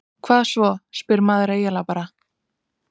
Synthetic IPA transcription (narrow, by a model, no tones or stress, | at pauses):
kʰvaːðsvɔspɪɾmaːðɾaejalapaɾa